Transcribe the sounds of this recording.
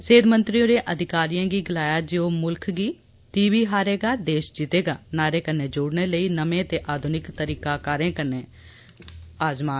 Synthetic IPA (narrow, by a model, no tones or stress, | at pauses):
seːd̪mənt̪ɾiːoɾeːʔəd̪ʱɪkaːɾijãːɡiːɡɪlaːjaːd͡ʒeːoːmʊlkʰɡiː | t̪iːʋiːɦaːɾeːɡaːd̪eːʃd͡ʒɪt̪eːɡaːnaːɾeːkənːeːd͡ʒʊːɽneːləiːnəmẽːt̪eːʔaːd̪ʱʊnɪkt̪əɾiːkaːkaːɾẽːkəneː | aːzmaːn